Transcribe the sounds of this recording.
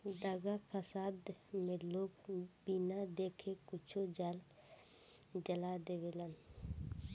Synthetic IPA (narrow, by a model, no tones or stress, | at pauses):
d̪aɡapʰəsaːd̪mẽloːɡbinad̪eːkʰekʊt͡ʃʰod͡ʒaːl | d͡ʒəlad̪eʋelən